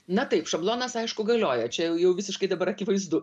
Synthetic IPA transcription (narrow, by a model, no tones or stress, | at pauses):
nɐt̪ɐɪpʃɐblˠoːnɐsɐɪʃkʊɡɐlʲoːjɛt͡ʃʲɛjɛʊjɛʊʋʲɪsʲɪʃkɐɪd̪ɐbɐɾɐkʲɪʋɐɪzd̪ʊ